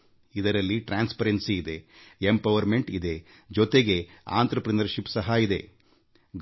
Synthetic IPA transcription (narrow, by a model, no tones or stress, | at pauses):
id̪ɐɾɐlːiʈɾaːnspɐɾensiːd̪e̞empɐʋɐɾme̞ɳʈid̪e̞ | d͡ʒɔt̪e̞ɡe̞a̰ːnt̪ɾɐpɾɐnɐɾʃipsɐɦaid̪e̞̰ | ɡ